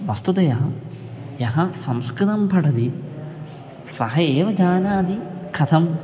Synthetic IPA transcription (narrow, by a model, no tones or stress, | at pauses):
ʋɐst̪ut̪ɐjɐɦɐ | jɐɦɐsɐmskɾɨt̪ɐmpʰɐʈɐd̪i | sɐhɐeːʋɐd͡ʑaːnaːd̪ikʰɐt̪ʰɐm